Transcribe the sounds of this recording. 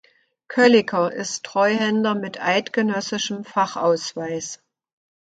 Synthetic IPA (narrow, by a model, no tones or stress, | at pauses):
kʰœlɪkʰɐʔɪstʁ̥ɔʏhɛndɐmɪtʔaɪtɡ̥ənœsɪʃəm̩faχʔa̰ʊsv̥aɪs